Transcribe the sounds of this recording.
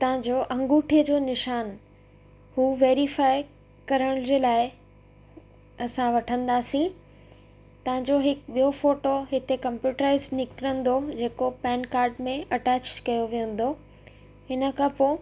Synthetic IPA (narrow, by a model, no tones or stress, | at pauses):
t̪ɐʋ̤ə̃ɲd͡ʑoːʔɐ̃ŋɡuːʈʰiəd͡ʑoːnɪʃaːn | huːʋeːɾifaːɪ | kɐɾəɽ̃d͡ʑeːlaːɪ | ɐsãʋɐʈʰə̃nd̪aːsĩ | t̪ɐʋ̤ɪ̃ɲd͡ʑoɦɪkɓijofoːʈoɦɪt̪ekɐ̃mpjuːʈɾaːɪznɪkɾə̃nd̪od͡ʑeːkopɛːnkaːɾɖmẽɐʈɛːt͡ɕkɐjoʋijũn̆d̪o | hɪnə̆kʰãpoː